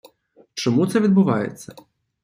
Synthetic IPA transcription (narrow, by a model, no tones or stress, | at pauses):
t͡ʃɔmut̪sɛʋʲid̪̚bʊʋɑjḛt͡sʲːɐ